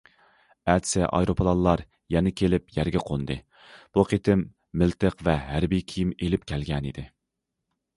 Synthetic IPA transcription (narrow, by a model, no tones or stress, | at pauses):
æt̪sɪʔɑ̰jɾopʰlˠɑnlːˠɑɾ | jɛnɪkʲʰelɪpjæɾɡʲɛqʰond̪ɨ | b̥uqʰet̪ʰɪmː | ɪlt̪ʰəqvɛɦæɾbijkʲʰijimelɪp̚kʲʰɛlɡʲɛnid̪ɪ